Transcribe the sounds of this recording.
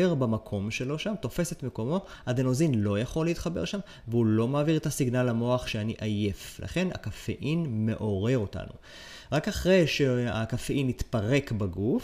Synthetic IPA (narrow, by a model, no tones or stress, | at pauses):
eʁbamakʰo̞mʃe̞lo̞ʃamt̪o̞fe̞se̞tmeko̞mo̞ | adeno̞zinlo̞jaχo̞lːeit̪χabe̞̰ʁʃam | veulo̞maːviʁet̪asiɡnalamo̞aχʃeaniʔaje̞flʔa̰χe̞na̰kafḛʔinme̞ʔo̞ʁe̞ʁo̞ta̰nṵ | ʁakaχʁe̞jʃea̰kafeʔinitpaʁe̞kbaɡuf